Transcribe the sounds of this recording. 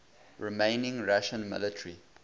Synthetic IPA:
ɹimẽɪnɪ̃ŋɹaʃə̃nmɪ̰lətʰəɹi

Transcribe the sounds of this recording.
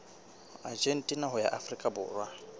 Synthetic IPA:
ad͡ʒen̩tʼinaɦʊja̰ʔafrikʼabʊ̰ːrwa

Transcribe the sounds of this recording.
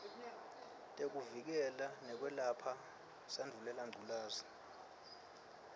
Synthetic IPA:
tʼek̬uvik̬ɛlanɛk̬wɛlapʰa | sandʱulɛlaŋɡʱulaːzi

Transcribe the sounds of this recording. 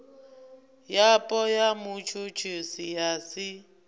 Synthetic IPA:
japʼɔjamʊt͡ʃʰʊt͡ʃʰʊsɪjasɪ

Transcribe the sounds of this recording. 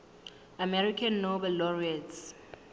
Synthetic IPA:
amɛɹikʰãnːobɛlːɔɹiats

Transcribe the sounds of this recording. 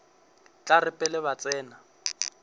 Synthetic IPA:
t͡ɬʼarɪpʼɛlɪβat͡sʼɛːna

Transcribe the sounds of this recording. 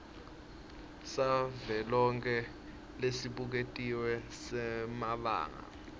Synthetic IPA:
savɛlɔŋkʰɛ | lesiɓuk̬etʼiwɛ | sɛmaɓa̰ːŋa̰

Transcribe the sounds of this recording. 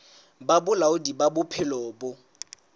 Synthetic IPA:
babʊlaʊdibabʊpʰɪlɔːbʊ

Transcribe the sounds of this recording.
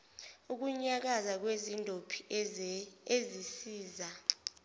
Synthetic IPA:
uk̬uɲak̬azak̬wezindʱopʰi̥ | ezisiːza

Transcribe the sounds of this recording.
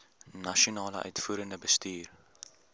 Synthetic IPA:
nɐʃiunɑːləʔœ̰ɥtfuːɾəndəbəstyːr

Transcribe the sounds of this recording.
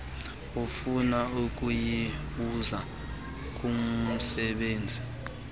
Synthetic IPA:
ufunauk̬ʼujiɓuza | k̬um̩sɛɓeːnd͡zʱi

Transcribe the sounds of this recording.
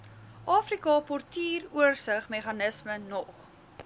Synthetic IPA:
ʔɑːfrikɑpɔrtiːruərsəχmeχɐnəsmənɔχ

